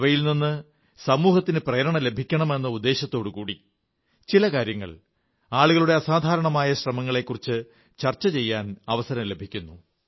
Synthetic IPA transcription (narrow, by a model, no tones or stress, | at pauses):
ʋɐjilninːɨ | sɐmuːɦɐt̪ːinɨprɐjɐɾɐɳɐle̞bʱikʲːɐɳɐme̞nːɐud̪ːe̞ːɕjɐt̪ːo̞ːɽukuːɽi | t͡ɕilɐkaːɾjɐŋːɐ̰ɭ | aːɭuɣɐɭuɽe̞ɐsaːd̪ʱaːɾɐɳɐmaːjɐɕrɐmɐŋːɐɭe̞kːurit͡ɕːɨ | t͡ɕɐrt͡ɕːɐt͡ɕe̞jːaːnɐʋɐsɐɾɐmle̞bʱikʲːunːu